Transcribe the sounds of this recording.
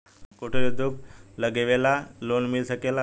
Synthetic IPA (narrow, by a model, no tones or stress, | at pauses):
koʈʰelud̪ʱukləɡeʋelalonmilsəkela